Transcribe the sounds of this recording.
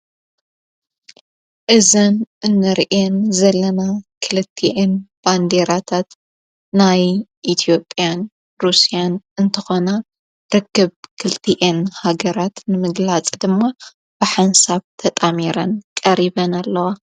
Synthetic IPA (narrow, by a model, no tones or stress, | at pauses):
ʔɨzɐnʔɨnːɨɾʔenzɐlːɐnakʰɨlɨt̪ʰːiʔenb̥and̪eɾat̪ʰat̪ | najʔit̪ʰijo̞pʼːjan | ɾusijanɨnt̪ʰɨxo̞na | ɾɨkːɨβkʰɨlt̪ʰiʔenhaɡɐɾat̪nɨmɨɡlat͡sʼd̪ɨmːa | b̥ɨħansaβt̪ʰɐt̪ʼamiɾɐnkʼɐɾiβɐnalːɐwa